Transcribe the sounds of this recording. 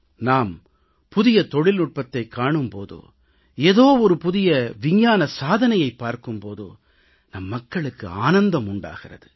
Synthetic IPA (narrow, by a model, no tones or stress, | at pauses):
naːm | pʊðɪjɐt̪ɔɽɪlnʊʈ̚pɐt̪ːɐɪkːaːɳɯmpo̰ːðo̰ː | eːðoːɔɾɯpʊðɪjɐʋɪɲjaːnɐsaːðɐnɐjɐɪpːaːɾkɯmpoːðo̰ː | nɐmːɐkːɐɭɯkːɯ̰aːnɐnd̪ɐmʊɳɖa̰ːɣɪrɐ̰ðɯ